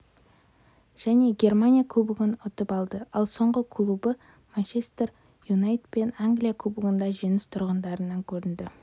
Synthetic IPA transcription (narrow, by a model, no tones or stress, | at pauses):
ʒ̥æne̞ɡʲe̞rmanʲijakʰɵbɪɡʲɪnʊt̪əpɑlˠd̪əɑlˠso̞ɴʁəkʰlˠubə | manʃest̪r | junajt̪pe̞naŋɡlijakʰlˠubəɡənd̪ɑʒenɪst̪ʰʊɾʁənd̪ɑɾənːɑŋkʲʰɵɾɪnd̪ɪ